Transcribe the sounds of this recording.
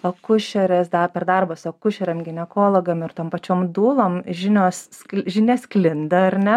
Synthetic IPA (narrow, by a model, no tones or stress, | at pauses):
ɐkʊʃʲɛɾʲɛsd̪ɐpʲɛrd̪ɐrbosɐkʊʃʲɛɾʲɛmɡʲɪnʲɛkoːlˠoːɡɐmɪɾt̪oːmpɐt͡ʃʲoːmd̪uːlˠoːmʒʲɪnʲoːskʒʲɪnʲɛsklʲɪnd̪ɐɐɾʲnʲɛ